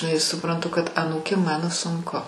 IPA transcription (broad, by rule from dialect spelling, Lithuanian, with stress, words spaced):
ʒʲɪˈnɐɪ sʊˈprɐntʊ kɐt ɐˈnuːkʲeːm ˈmɑːnoː sʊŋˈkʊ